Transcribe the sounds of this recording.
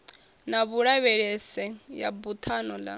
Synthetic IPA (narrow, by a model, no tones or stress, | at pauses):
naβuɺaβɛɺɛsɛja̰but̪ʰanɔla̰